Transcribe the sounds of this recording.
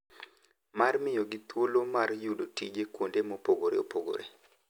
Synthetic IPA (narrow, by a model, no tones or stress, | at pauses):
marmɪjɔɡɪt̪wolomarjudotḭd͡ʒekwondemopoɡoɾḛo̰poɡo̰ɾḛ